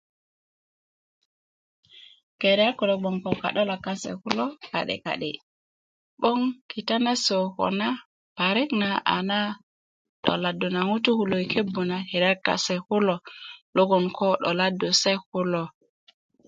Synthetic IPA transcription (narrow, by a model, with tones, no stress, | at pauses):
ke˨ɾɛ˦a˦ku˨lo˨ɓɔ˨ŋkɔ˨ka̰˨ɗo˦la˨ka˦sḛ˨ku˦lo˦ka̰˨ɗḭ˨ka̰˨ɗḭ˨ | ɓɔ˦ŋki˨ta˦na˦so˨kɔ̰˨na˦ | pa˨ɾi˦kna˨a̰˨na˦ | ɗɔ̰˨la˨du˨na˨ŋu˦tu˦hu˨lo˨i˨kʰe˦bːu˨na˨he˨ɾa˦ka̰˨sɛ˨ku˦lɔ˨lo˦ɡɔ˨nkʰɔ˦ɗɔ̰˨la˦du˨se˦ku˦lo˨